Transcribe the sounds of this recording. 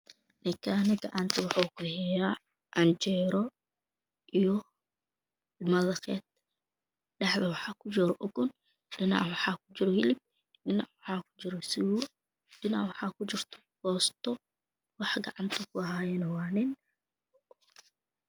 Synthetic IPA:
nɪkʰanɐɡɑʕɑnt̪ʰɐwɑħukʰʊhɛjaː | ʔɐnt͡ʃɛːɾɔ | ʔijɔ | mɐðɐqɛːt̪̚ | ɖɛħðɐwɑħɑːkʰʊt͡ʃɪɾɔʔɔɡʊn | ɖɪnɑ̰ʕwɑħɑːkʰʊt͡ʃɪɾɔhɪlɪb̚ | ɖɪnɑ̰ʕwħɑːkʰʊ̥t͡ʃɪɾɔsɪw | ɗɪnaʕwɑħɑːkʰʊt͡ʃɪrt̪ʰɔ̥hɔːst̪ʰɔ | wɑħɡɑ̰ʕɑnt̪ʰɐkʰʊɐɦaːjɛnɐwɑːnɪn

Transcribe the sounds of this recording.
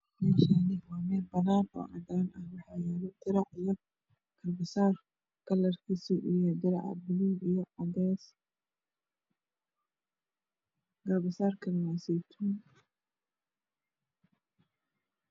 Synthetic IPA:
mɛːʃanɪwaːmɛːbɐnaːnɔ̰ːʕɑd̪aːnɐhwɑħɑjɛːlɛd̪ɪɾɑʕijɔ | ɡ̥ɐrbɪsaːr | ɡ̥ɐlɐrkʰisʊʔijɔd̪ɪɾɑ̰ʕ̰bɪluijɔʕɐdɛs | ɡ̥ɐrbɪsaːrkʰɐnmasɛt̪ʰuːn

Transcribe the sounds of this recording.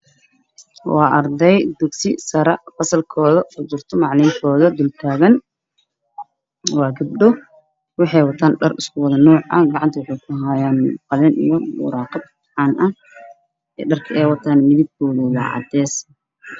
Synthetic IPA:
wɑːʔɐrd̪ɛjd̪ʊɡsɪsɐɾɐfɐsɐlkʰɔːðɐfʊd͡ʒɪrt̪ʰɔmɑʕlɪŋkʰɔːðɐd̪ʊlt̪ʰaːɣɐn | wɑːɡɐb̚ɖɔ | wɑħɑjwɑt̪ʰaːnɖɐrɪskʰʊwɑðɐnɔːʕɐ̰ɡɑʕɑnt̪ʰɐwʊħuːkʰʊɦajaːnqɑlɪnʔḭjɔwʊ̰ɾɑːqɑd̪̚ | ʕɑːnʔɐ | ɛ̰ːɖɐrkʰɐɛːwɑt̪ʰaːnmɪðib̚ɡɔːðulɑ̰ʕɑ̰d̪ɛːs

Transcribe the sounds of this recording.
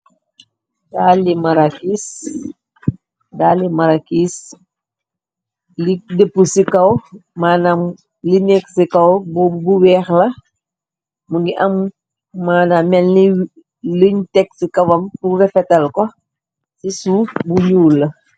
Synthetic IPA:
daːlimɐɾakis | daːlimɐɾakis | lidəpːusikɐwmaːnam | linɛksikɐwbbuwɛːxlɐ | muŋɡiʔɐmː | aːnamɛl | luɲtɛk̚sikɐwɐmpuwɛfɛtɐlkɔ | sisufbuɲuːlːɐ

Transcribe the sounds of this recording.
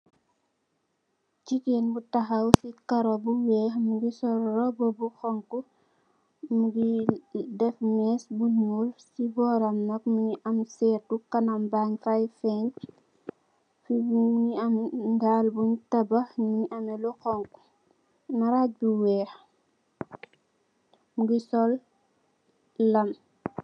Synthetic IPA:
t͡ʃikenbutɐxɐwsikɐɾɔbuwɛːxmuɡisɔɾɾɔbɔbuxɔŋku | muɡidɛfmɛsbuɲulsibɔːɾɐmnɐkmuɲiʔɐmsɛːtukɐnɐmbaŋfajfɛɲ | fibuɲiɐmdaːlbuɲtɐbɐɲuɲʔɐmɛlɔxɔŋku̥ | nɐɾabuwɛːx | muɡisɔl | ɐm

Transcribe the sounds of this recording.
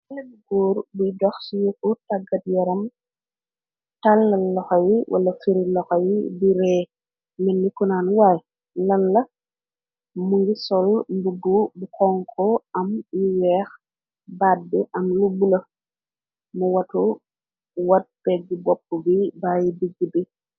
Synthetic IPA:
ɐlɐbuɡuːɾbujdɔxsujukutɐɡɐt̚jɔɾɐm | talːɐlːɔxɐjiwʔɐ̰lɐfiɾilɔxɐjibiɾɛː | minːikunaːnwaj | lɐlːɐ | muɡisɔlmbuɡubukɔŋkʰɔɐmjiwɛːx | bat̚biʔɐmluɡulɐ | muwɐtu | wɐt̚bɛɡibɔp̚ːubibajibiɡːibi

